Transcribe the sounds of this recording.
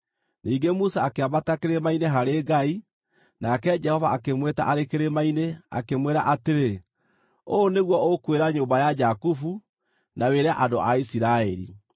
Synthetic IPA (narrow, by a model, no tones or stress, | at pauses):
niːɡemusaːkeabatakeɾemaineɦaɾeɡai | nakɛd͡ʒɛhɔvaakemweta̰ʔaɾekeɾemainea̰kemweɾaʔateɾe | oneɣwɔokweɾaɲoːmbajad͡ʒakufu | naweɾaʔadoʔaisiɾaɛɾḭ